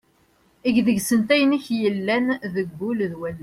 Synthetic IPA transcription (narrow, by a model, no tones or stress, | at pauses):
iɡðəɡsənt̪æjəniçjəlːænðəɡbulðwælː